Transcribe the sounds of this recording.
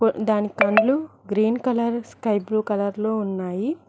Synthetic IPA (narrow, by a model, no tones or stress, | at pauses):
d̪aːnikɐɳɖluɡɾiːnkɐlɐɾskɐjbɾuːkɐlɐɾloːunːaːji